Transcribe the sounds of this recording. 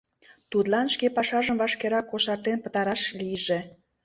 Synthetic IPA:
t̪ut̪lɑnʃkepɑʃɑʒəmvɑʃkeɾɑkːoʃɑrt̪enpə̥̆t̪ɑɾɑʃlijʒe

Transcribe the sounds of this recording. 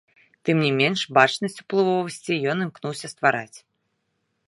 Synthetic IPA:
t̪ɨmnʲimʲɛnʂbat͡ʂnɐsʲt͡sʲu̥plˠɨvɔvɐsʲt͡sʲijɔnɨmknuwsʲɐst̪vaɾa̰t͡sʲ

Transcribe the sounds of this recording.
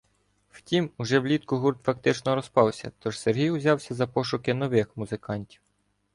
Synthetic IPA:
wtʲimʊʒɛwlʲit̪kʊɦurt̪fɐk̚t̪ɪt͡ʃnɔɾɔspɑwsʲɐ̰t̪ɔʒserɦʲijʊzʲɑwsʲɐzɐpɔʃʊkɪnɔʋɪxmʊzɪkɑnʲtʲiw

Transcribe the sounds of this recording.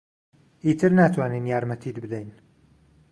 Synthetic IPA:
iːt̪ʰɨɾnaːt̪ʰwaːninjaːɾmɐt̪ʰid̪bɨd̪ɛjn

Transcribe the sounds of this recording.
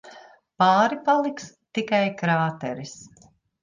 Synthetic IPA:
paːɾipalˠiks | t̪ikajkɾaːt̪ɛɾis

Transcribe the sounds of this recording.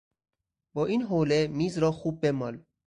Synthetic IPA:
bɒːʔiːnɦoːlemiːzɾɒːxuːb̚ːemɒːl

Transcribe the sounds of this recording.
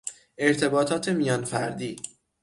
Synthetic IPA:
e̞ɾt̪ʰe̞bɒːt̪ʰɒːt̪ʰe̞mijɒːnfæɾd̪iː

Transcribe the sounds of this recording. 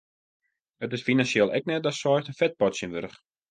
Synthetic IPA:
ətɪsfinansjeːlˠʔɛ̰k̚nɛt̚dɔtsɔjstənfɛt̚pɔtsjənʋøɾəx

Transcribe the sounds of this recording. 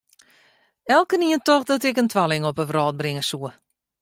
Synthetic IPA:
ɛlˠkəniəntɔxdɔtɪkəntʰʋalɪŋɔpəʋrɔːt̚brɪŋəsuə

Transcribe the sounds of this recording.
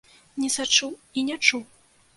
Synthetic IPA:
nʲɛsat͡ʂuwinʲɛt͡ʂuw

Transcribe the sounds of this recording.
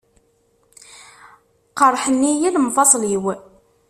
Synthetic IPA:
qəɾˤħənːijiləmfɑsˤliw

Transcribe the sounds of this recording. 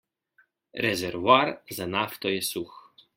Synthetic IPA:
ɾɛzɛɾvaɾzanaft̪ɔjɛsux

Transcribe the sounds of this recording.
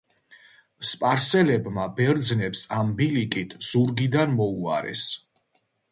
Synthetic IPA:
spʼaɾsɛlɛbmabɛɾd̪znɛpsambilikʼit̪ʰz̥uɾɡid̪anmɔua̰ɾɛ̰s

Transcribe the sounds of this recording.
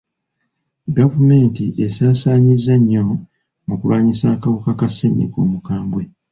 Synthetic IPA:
ɡavume̞ːntiʔe̞saːsaːɲizːaɲːo̞ | mukuβaːɲisaːkaβokakaseɲḭko̰ːmukaːmbwe

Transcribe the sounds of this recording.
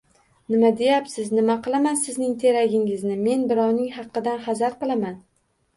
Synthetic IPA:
nɪmad̪e̞japsɪznɪmaqʰɨlˠamansɪznɪŋt̪ʰe̞ɾaɡʲɪŋɪznɪme̞nbɪɾɒwnɪŋhɑqːɨd̪anχɑzaɾqɨlˠaman

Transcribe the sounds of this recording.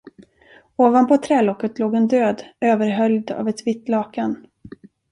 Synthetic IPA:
oːvanpʰɔt̪ʰɾɛːlɔkːət̪loːɡɛnd̪øːd̪øːvəɾɦœljd̪a̰vɛt̪vɪt̪ːlɑːkan

